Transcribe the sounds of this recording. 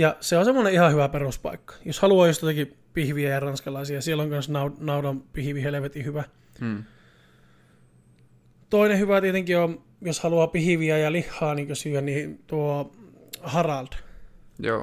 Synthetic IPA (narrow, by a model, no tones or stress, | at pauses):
jɑseonsemːoneihɑhyʋæperuspɑ̰ikːɑ̥joshɑluɑːjost̪ɑɑki | pihʋiæjɑrɑnskɑlɑisiɑsielːoŋkɑnsnɑunɑudɑmpihiʋiheleʋet̪ihyʋæ | t̪oinehyʋæt̪iet̪eŋkiom | joshɑluɑpihiʋiæjɑlihːɑːniːŋkøsyæniːnt̪uo | hɑrɑlt̪jo̰ː